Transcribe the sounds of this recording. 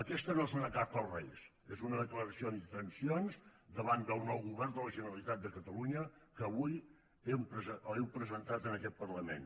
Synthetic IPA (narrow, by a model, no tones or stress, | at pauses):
əkɛst̪ənosonəkapəlˠrɛ̰js | ezunəðəkləɾəsiond̪it̪ɾənsionzd̪əβand̪əlˠnɔwɣuβɛrnd̪ələʒənəɾəlit̪at̪̚d̪əkət̪əluɲəkəːβuj | ɛmpəzəəɛwpɾəzənt̪at̪ənəkɛt̪̚pərləmḛn